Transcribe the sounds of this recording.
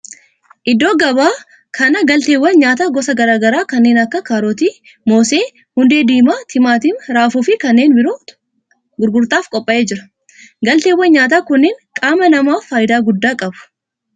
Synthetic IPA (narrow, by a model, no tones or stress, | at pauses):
ʔɪd̪o̞ːɡɐbaː | kʰɐnɐɡɐlt̪e̞ːwːɐnɲaːt̪aːɡɔsɐɡɐɾaːɡɐɾaːkɐnːe̞ːnɐkːɐkaːɾoːt̪iː | mo̞ːse̞ː | hʊnd̪e̞ːd̪iːmaːt̪ʰɪmaːt̪iːmɾaːfuːfɪkɐnːe̞ːnbɪɾoː | ɡʊɾɡʊɾt̪ʼaːfkʼɔpʼːɐʔeːd͡ʒɪɾɐ | ɡɐlt̪eːwːɐnɲaːt̪̬aːkʊnːeːnkʼaːmɐnɐmaːfːaːjɪd̪aːɡʊd̪ːaːkʼɐbʊ̥